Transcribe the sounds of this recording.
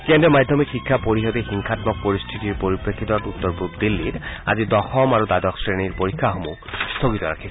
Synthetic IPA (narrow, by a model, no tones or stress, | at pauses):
kendɛmadʱɔmikxikʰːapoɹiɦɔdexiŋkʰatmɔk̚poɹist̪ʰitiɹpoɹipɹekʰːit̪ɔtut̪ːɔɹpuɡd̪ilːita̰zidɔxɔmaɹudadɔksɹeniɹpoɹikʰːaxomṵ | stʰoɡit̪ɔɹa̰kʰi